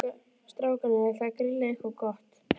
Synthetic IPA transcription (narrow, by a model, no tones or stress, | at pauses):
st̪ɾaːwkanaɛθakɾilexɔkɔht̪